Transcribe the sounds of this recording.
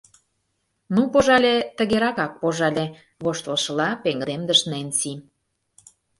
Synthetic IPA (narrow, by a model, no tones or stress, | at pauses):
nupoʒɑlʲet̪ə̆ɣeɾɑkɑk̚poʒɑlʲe | βoʃt̪olʃəlɑpeŋɡə̆d̪emd̪əʃnensim